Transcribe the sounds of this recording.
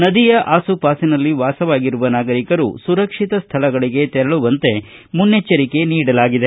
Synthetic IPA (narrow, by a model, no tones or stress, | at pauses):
nɐd̪ijɐʔaːsupaːsinɐlːiʋaːsɐʋaːɡiɾuʋɐnaːɡɐɾikɐɾṵsuɾɐkʂit̪ɐst̪ʰɐlɐɡɐɭiɡe̞t̪ɛɾɐɭuʋɐnt̪e̞munːet͡ʃːɐɾike̞niːɽɐlaːɡid̪e